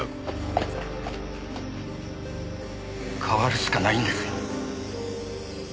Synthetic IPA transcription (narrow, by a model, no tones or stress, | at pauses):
kʰaβaɾɯ̟ɕɨ̥kanaĩnd̪esɨ̥